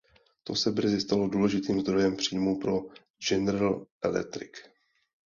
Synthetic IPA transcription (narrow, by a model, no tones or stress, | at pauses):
t̪o̞sɛbr̩zɪst̪alo̞duːlɛʒɪt̪iːmzd̪ɾo̞jɛmpr̝̥iːmupɾo̞ | d͡ʒɛnɾɛlʔɛ̰lɛ̰t̪ɾɪ̰k